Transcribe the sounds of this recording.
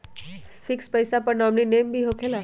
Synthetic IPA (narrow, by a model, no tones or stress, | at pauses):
fikspəjsapəɳamninembʱiːɦokʰela